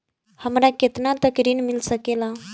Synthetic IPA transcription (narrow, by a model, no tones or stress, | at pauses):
həmɾaket̪nat̪əkɾiːnmilsəkela